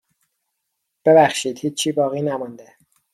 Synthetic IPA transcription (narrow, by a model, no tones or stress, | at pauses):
b̥ebæxʃiːd̪̥hiːt͡ʃt͡ʃʰːiːbɒːɣiːnæmɔnd̪e